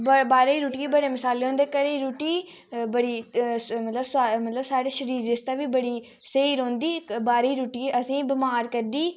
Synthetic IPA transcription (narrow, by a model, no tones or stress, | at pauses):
bbaːɾeiːɾuːʈiebəɽeːməsaːleːɦõːnd̪eːkəɾeːɾuːʈiː | bəɽiːmət̪ləbsmət̪ləbsaːɽeːʃəɾiːɾɪst̪aːʋiːbəɽiː | seiːɾõːnd̪iːbaːɾiːɾuːʈiʔəsĩːbɪmaːɾkəɾd̪iː